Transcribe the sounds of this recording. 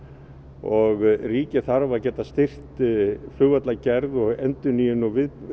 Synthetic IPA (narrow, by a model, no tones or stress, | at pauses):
ɔɣriːcɪθaɾvacɛːt̪ast̪ɪr̥t̪flʏɣvat̪lacɛɾðɔɣɛnt̪ʏnijʏnɔvɪð